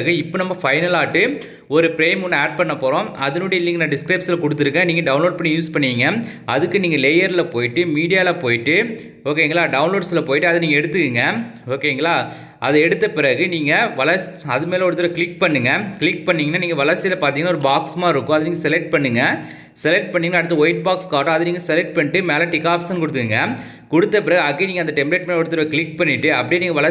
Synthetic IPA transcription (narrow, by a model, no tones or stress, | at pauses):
ɣɯɪpːoːnɐmːɐfɐɪnɐlaːʈːɯ | ɔɾɯpɪɾeːmʊnːɐaːʈ̚pɐɳːɐpoːɾõːɐðɯnoːɽiɪlːɪŋɡɐnaːɖɪskɾɐɪpslɐkɔɽɯt̪ːɯɾɯkːɐ̃niːŋɡɐɖɐʊnloːɖ̚pɐɳːijuːspɐɳːɯiːŋɡɐɐðɯkːɯniːŋɡɐleːjɐɾɪlɐpoːjɪʈːɯmiːɽɪjaːlɐpoːjɪʈːɯ | oːk̬eːɪŋɡɐɭaːɖɐʊnloːɖsɪlɐpoːjɪʈːɯɐðɐniːŋɐɛɽɯt̪ːɯkːɯŋɡɐoːkeːŋɡɐɭlaː | ɐðɐɛɽɯt̪ːɐpɪɾɐɣɯniːŋɡɐʋɐlɐs | ɐðɯmeːlɐɔɽɯt̪ːɯɾɐʋɐkɪɭɪkpɐɳːɯŋɡɐkɭɪkpɐɳːiːŋɐnːaːniːŋɡɐʋɐlɐsɪjɐlɐpaːɾt̪iːŋɡɐnaɔɾɯbaːksmaːɪɾɯkːʊ̃ɐðɯniːŋɡɐsɛlɛk̚ʈ̚pɐɳːɯŋɡɐ | sɛlɛk̚ʈ̚pɐɳːinːɐɽɯt̪ːɐɔɪʈ̚baːkskaːʈːʊ̃ɐðɯniːŋɡɐsɛlɛʈ̚pɐɳːɪʈːɯmeːlɐʈɪkːaːpsɐnkʊɽɯt̪̬ːɯkɯŋɡɐ | kʊɽɯt̪ːɐpɪɾɐɣɯɐkːeniːŋɐnd̪ɐʈɛmpleːʈmɐnːɔɽɯt̪ːɯɾɐʋɐkɪɭɪk̚pɐɳːɪʈːɯɐpːɐɽiniːŋɡɐʋɐlɐ